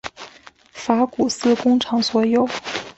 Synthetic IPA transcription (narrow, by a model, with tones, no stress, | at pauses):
fa˧˥ku˨˩sɹ̩˥kʊ˥ŋʈ͡ʂʰɑ˧˥ŋswɔ˧˥jo˨˩˦ʊ